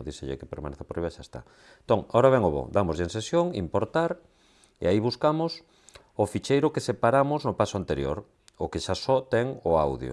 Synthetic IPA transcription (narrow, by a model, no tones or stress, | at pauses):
ðiseʎḛkepeɾmaneθapoɾiβaʃaest̪a̰ | ent̪oŋaoɾaβɛŋoβo̰d̪amozʎensesjoŋimpoɾt̪aɾ | ḛaiβuskamʊs | ʊfit͡ʃejɾʊkesepaɾamʊznʊpasʊant̪eɾjo̰ɾ | okeʃasɔt̪ɛŋʊawðjo̰